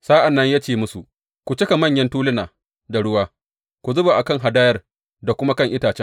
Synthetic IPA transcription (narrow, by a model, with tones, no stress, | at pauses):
saː˦ʔa˨nːɐ˦ɲjaː˦t͡ʃeː˦˨mʊ˦su˨ | kʷu˨t͡ʃɪ˦ka˨mɐ˦˨ɲjɐ˦ntuː˦lɪ˦naː˨ | da˨ɽʊ˦waː˦ | kʷu˨zʊ˦ba˨ʔa˨kɐ˦ŋɦa˨daː˦jɐ˦r | da˨kʷʊ˦ma˦kɐ˦ŋʔɪ˦taː˨t͡ʃɛ˦ŋ